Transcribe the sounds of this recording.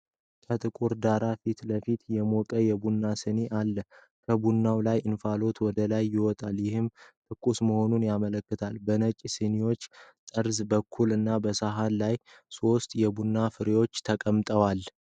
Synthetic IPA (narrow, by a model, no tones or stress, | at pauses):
kʰət̪ʼɨkʼuɾd̪aɾafit̪ləfit̪jɛmokʼəjɛbunːasɨneʔalːə | kʰəbunːawlajɨnfalo̞t̪ʰwɔd̪əlajːɪwɔt̪ʼaljɪhɨmt̪ʼɨkʼːusməho̞nunjamələkːɨt̪ʰalbənət͡ʃʼisɨniwo̞t͡ʃːt̪ʼəɾzbəkʰːulɨnːabəsaɦalːaj | so̞st̪jɛbunːafɨɾewo̞t͡ʃːt̪ʰəkʼəmt̪ʼəwal